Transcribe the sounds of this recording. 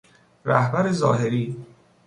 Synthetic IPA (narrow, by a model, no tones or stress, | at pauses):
ɾæhbæɾe̞zɒ̰ːɦeɾiː